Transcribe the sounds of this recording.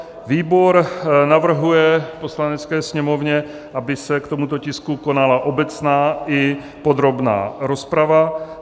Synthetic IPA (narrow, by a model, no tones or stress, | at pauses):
viːbo̞ɾnavr̩ɦujɛpo̞slanɛt͡skɛːsɲɛmo̞vɲɛ | ʔabɪsɛkt̪o̞mut̪o̞cɪskuko̞nalaʔobɛt͡snaːʔɪ | pod̪ɾo̞bna̰ːɾo̞spɾava